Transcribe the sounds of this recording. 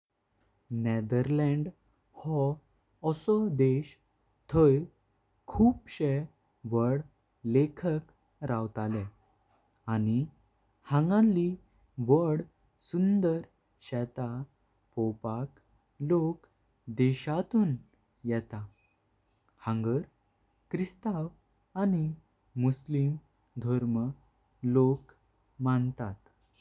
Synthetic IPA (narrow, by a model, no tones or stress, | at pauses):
nɛd̪əɾlɛ̃ɳɖ | hɔː | sɔd̪eɕ | t̪ʰəj | kʰuːpɕɛ | ʋəɽ | lekʰək | ɾawt̪alɛ̃ | ani | hãŋɡãlːi | ʋəɽ | sund̪əɾ | ɕɛt̪a | pɔpak | lok | d̪ɛɕat̪uːn | jɛt̪a | hãŋɡəɾ | kɾist̪aw | ani | muslim | d̪ʱɔɾmə | lok | mant̪at̪